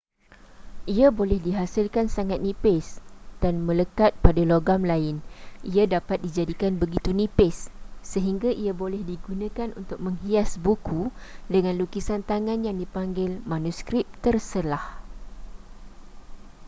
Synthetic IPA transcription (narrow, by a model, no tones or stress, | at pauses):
ʔiabolɛhdiɦasɪlkansaŋat̪̚nĩpɪsd̥anmə̃ləkat̪̚padaloɡamlaɪnʔiadapat̪̚did͡ʒadikanbəɡit̪unĩpɪsːəɦiŋɡaʔiabolɛhdiɡunãkanʔṵnt̪ʊk̚mə̃ŋɦiasbukʰudəŋãnlukisant̪aŋãnjaŋdipaŋɡɪlmãnuskɾɪp̚t̪ərsəlah